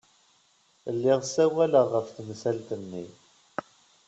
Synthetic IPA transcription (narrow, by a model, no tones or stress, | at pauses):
lːɪʁsæwæləʁːəfθmsælt̪ənːḭ